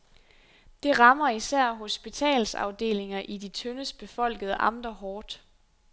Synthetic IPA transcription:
d̥e̝ʁɑ̈mɐisæɐ̰ɦo̝sb̥it͡sʰɛ̰ːlsɑ̰̈ʊd̥e̝̰ːle̝ŋɐʔidit͡sʰønəsb̥e̝fɒ̽l̰ɡ̥əð̞ˠəʔɑ̈md̥ɐɦɒːd̥

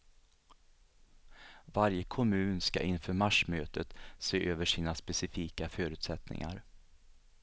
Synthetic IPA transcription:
vaɾjəkʰɔmʉ̟ːnska̰ʔɪnfœːɾmaʂmøːt̪ʰət̪seːʔøːvəʂiːnaspɛsɪfiːkafœːɾʉ̟ːt̪sɛt̪nɪ̰ŋa̰ɾ

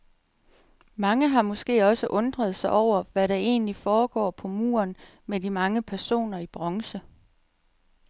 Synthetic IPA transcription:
mɑ̈ŋəɦɑ̈mɔ̽sɡ̥e̝̰ːɒ̽səʔɔ̽nd̥ʁɐð̞̩ˠsɑ̈ɪʔɒʊ̰ɐʋæɾɑ̈e̝̰ːnlifɒːɡ̥ɒ̰ːpʰɒ̽mṵːɐn | medimɑ̈ŋəpʰæɐso̝̰ːnɐib̥ʁɑ̽ŋsə

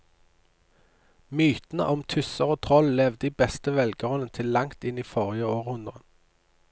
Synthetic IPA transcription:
myːt̪n̩ə̰ʔɔmt̪ʰʉsəʁoːt̪ʰʁɔllɛʋd̪əiːbɛst̪əʋɛlɡəʁɔnənt̪ʰɪlːɑŋt̪ɪniːfoːʁɪjəoːʁhʉnd̪ʁə

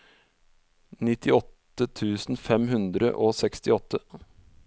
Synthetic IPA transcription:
nɪt̪ɪɔt̪ː | ət̪ʰʉːsn̩fɛmɦʉnd̪ɾə̰ʔoːsɛkst̪ɪɔt̪ːə

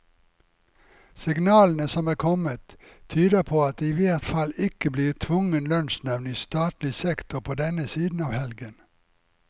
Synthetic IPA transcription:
sɪɡnɑːln̩əsɔmæːkʰɔmət̪ʰ | yːd̪əpʰoːɑt̪̚ːiːʋet̪fɑlɪkəbliːʁt̪ʰʋʊŋənlœnʃnæʋniːst̪ɑːt̪lɪsɛkt̪ʊpʰoːd̪ɛnəsiːd̪n̩ɑːʋhɛlɡən

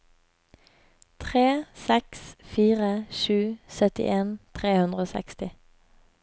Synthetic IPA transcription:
t̪ʰʁeːsɛksfiːʁəʃʉːsœt̪ɪ̰ʔeːnt̪ʰʁeːhʉnd̪ʁəoːsɛ̰kst̪ɪ

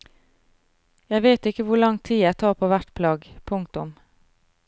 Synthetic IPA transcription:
jæɪʋeːt̪ɪkəʋʊɭɑŋt̪ʰiːæɪt̪ʰɑːʁpʰoːʋæʈpʰlɑːɡpʰʊŋkt̪ʊm

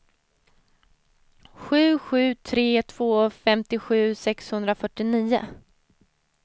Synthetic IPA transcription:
ɧʉ̟ːɧʉ̟ːt̪ʰɾeːt̪ʰv̥oːfɛmt̪ɪɧʉ̟ːsɛkshɵnd̪ɾafœʈːɪniːʊ̰

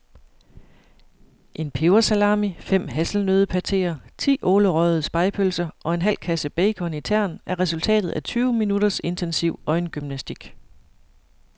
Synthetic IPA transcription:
ʔe̝npʰe̝ʊɐsælɑ̰̈ːmifem̰ɦæsl̩nøːð̞ˠpʰæt͡sʰe̝̰ːɐt͡sʰḭːʔɔːləʁœð̩ˠəsb̥ɑ̈ɪpʰølsɐʔɒ̽e̝nɦæl̰kʰæsəb̥eɪkʰɒ̽nit͡sʰæɐ̰nʔæɐʁɛsult͡sʰɛ̰ːd̥ð̩ˠʔæt͡sʰyːʊminudɐse̝nt͡sʰensiʊ̰ɒ̽ɪnɡ̥ymnæsd̥iɡ̥

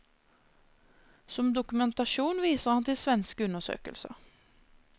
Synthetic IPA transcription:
sɔmd̪ʊkʉmɛnt̪ɑʃuːnʋiːsəʁhɑnt̪ɪlsʋɛnskʉnəsø̰ːkə̰lsə̰

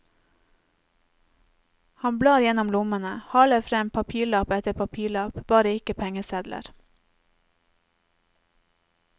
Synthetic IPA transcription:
hɑnblɑːɾjɛnɔmlʊmənəhɑːləfɾɛmpʰɑpʰiːɭɑːpɛt̪əpʰɑpʰiːɭɑːpbɑːɾəɪkəpʰɛŋəsɛd̪lə̰ɾ

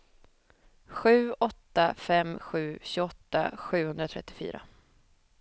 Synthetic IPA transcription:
ɧʉ̟ːɔt̪ːafɛmɧʉ̟ːɕɵɡɔt̪ːa̰ɧʉ̟ːhɵnd̪ɾat̪ʰɾɛ̰t̪ːɪ̥fy̰ːɾa̰

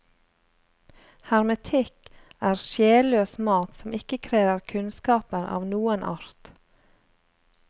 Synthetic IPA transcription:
hæɾmət̪ʰɪkæːɾʃjeːløːsmɑːt̪sɔmɪkəkʰɾeːəɾkʰʉnskɑːpəɾɑ̰ːʋnuːənʔɑ̰ɾt̪

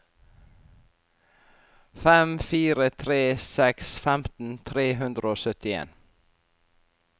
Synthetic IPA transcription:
fɛmfiːɾət̪ʰɾeːsɛksfɛmt̪n̩t̪ʰɾeːɦʉnd̪ɾəoːsœt̪ɪḛːn

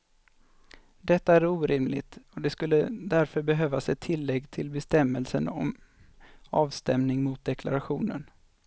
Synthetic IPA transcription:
d̪ɛt̪ːaæɾuːɾɪmlɪ̰t̪ɔd̪ɛskɵlːəd̪æɾfœɾbɛɦøːvasɛt̪ʰːɪlːɛɡːt̪ʰɪlbɛst̪ɛmːəlsə̰nɔ̰m | ɑːvst̪ɛmnɪŋmʊt̪̚d̪ɛkʰla̰ɾaɧuːnə̰n

